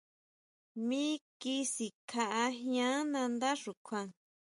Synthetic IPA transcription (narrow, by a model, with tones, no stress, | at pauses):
mĩ˦ki˦˧si˨kʰa˧ʔa˧ɦj̃ã˦nã˧nd̪a˦ʂu˨kʰʷã˧